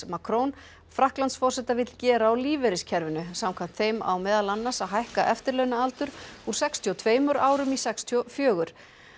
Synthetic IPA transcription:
makʰɾown | fɾahklant̪sfɔr̥sɛt̪avɪt̪lcɛːɾaːwliːvɛɾɪscʰɛɾvʏnʏsamkʰvam̥t̪θejma̰wmɛːðalanːasaðɦajhkaʔɛft̪ɪɾlœwnaalt̪ʏɾ̥uɾ̥sɛkst̪ʰiɔt̪ʰveːjmʏɾaːwɾʏmisɛkst̪ʰjɔfjœːɣʏɾ̥

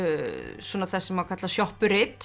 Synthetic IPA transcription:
swɔnaθɛsːɛmawkʰat̪lasjɔhpʏɾɪt̪

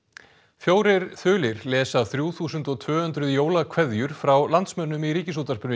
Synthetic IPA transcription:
fjoːwɾɪɾθʏːlɪɾlɛːsaθɾjuːθuːsʏnt̪ɔt̪ʰvœːhʏnt̪ɾʏðjoːwlakʰvɛðjʏɾ̥fɾawlant̪smœnːʏmiɾiːcɪsut̪aɾ̥pʏn

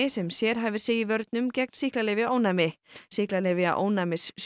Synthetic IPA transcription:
ɪsɛmsjɛɾ̥ɦaːvɪ̥seːjɪvœɾt̪̚nʏmcɛk̚nsihklalɪːvɪoːwnamɪsihklalɛːvɪa̰ʔo̰ːwnamɪs

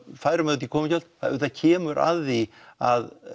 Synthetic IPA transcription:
faːjɾamɛðʏt̪ikʰɔːmɪcœlt̪θaʏt̪acʰɛːmʏɾʔa̰ði | að

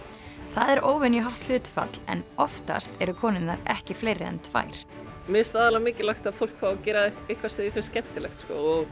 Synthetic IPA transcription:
θaðɛɾʔoːwvɪnjɪɦaht̪l̥ʏːt̪fa̰t̪lɛ̰nɔft̪a̰st̪ɛɾʏkʰɔːnɪnːaɾɛhcɪfleːjɾɪɛ̰nt̪fa̰ːjɾ̥ | mɪst̪aːðalamɪːcɪlaxt̪aðfowl̥kʰfawacɛːɾaehkvaseːðɪfɪɾscɛn̥t̪ɪlɛxt̪skɔɔɣ

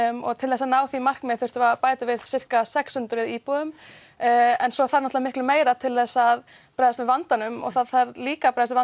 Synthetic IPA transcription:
ɔ̰ɣt̪ʰɪlɛsanaːwθimar̥kmɪ̥θʏ̥t̪ʏvapaːjt̪ɪvɪðsɪr̥kasɛkshʏnt̪ʏɾvɪðiːpɔðʏm | ɛnsɔθaɾnɔt̪vamɪhklʏmeːjɾat̪ʰɪlðɛsað | pɾajðast̪vɪðvant̪anʏmɔ̰ɣθaðθaɾliːkapɾajðast̪ɪva

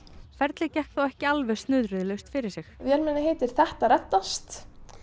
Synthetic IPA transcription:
fɛɾt̪lɪcɛhkθawɛhcɪalvɛ̥st̪nʏːðɾʏðlɛst̪fɪɾɪɾ̥sɪxvjɛlmɛnːɪɦeːjt̪ɪɾ̥θɛht̪aɾɛt̪ːast̪

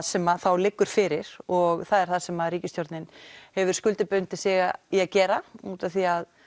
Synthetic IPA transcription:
sɛmaθawlɪkːʏɾ̥fɪːɾɪɾ̥ɔɣθaðɛɾ̥θaðsɛmaðɾiːcɪst̪joɾt̪nɪnhɛvʏɾ̥skʏlt̪ɪpʏnt̪ɪsɪːɣaiaðcɛːɾauːt̪aθiað

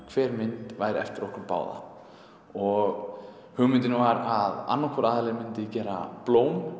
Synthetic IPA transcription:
kʰv̥ɛːɾmɪnt̪vaːjɾɪɛ̰ft̪ɪɾɔhkʏɾpa̰ːwða̰ | ɔɣ | hʏɣmʏnt̪ɪnɪvaɾaða̰nːakʰɔɾaːðalɛmɪnt̪ɪcɛːɾa̰ploːwm

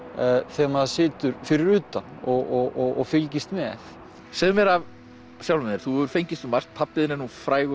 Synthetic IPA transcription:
θɛmaðasɪːt̪ʏɾfɪɾɪɾʏːt̪anɔɣɔɣɔɣɔ̰fɪlcist̪mɛθ | sɛðʏmɛɾav | sjawlmɪnɪɾ̥θuɛʏɾ̥fejɲcɪst̪ʏmar̥st̪̚pʰapːɪðɪnɛnufɾaːjɣʏ

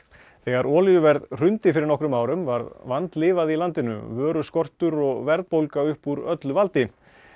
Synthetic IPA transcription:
θɛɣaɾɔːlijʏvɛɾðr̥ʏnt̪ɪfɪɾɪɾnɔhkɾʏmaːwɾʏmvaɾðvant̪lɪːvaðilant̪ɪnʏ̰vœːɾʏskɔr̥t̪ʏɾɔɣvɛɾðpowlkaʏhpuɾœt̪lʏvalt̪ɪ

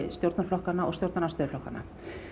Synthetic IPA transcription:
st̪jowɾt̪naflɔhkanːaɔɣst̪jowɾt̪nanast̪œːðɾflɔhka̰nːa̰

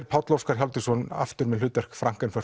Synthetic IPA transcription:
ɾpʰawt̪lowskaɾ̥çjawlt̪ɪsɔna̰ft̪ʏɾmɛðlʏːt̪vɛr̥kfɾaŋ̥kanfœr̥

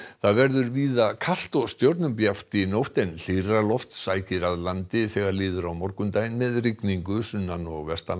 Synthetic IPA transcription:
θaðvɛɾðʏɾviːðakʰal̥t̪ɔɣst̪jowɾt̪nʏmpjaft̪inowht̪ɛnl̥iralɔft̪saːjcɪɾaðlant̪ɪθɛɣaɾlɪːðʏɾawmɔɾkʏmt̪aːjnmɛðrikniŋkʏsʏnːanɔɣvɛst̪a

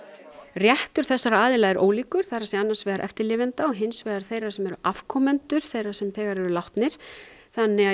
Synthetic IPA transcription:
rjɛht̪ʏɾ̥θɛsːaɾaaːðɪlaðɪɾʔo̰ːwliːkʏɾ̥θaɾasɛanːasvɛːɣaɾʔɛ̰ft̪ɪɾlɪːvɪnt̪aɔɦɪnsvɛːɣaɾ̥θejɾasɛmɛɾʏʔafkʰɔmɛnt̪ʏɾ̥θejrasɛmθɛːɣaɾɛɾʏlawht̪nɪɾ̥θanːɪa

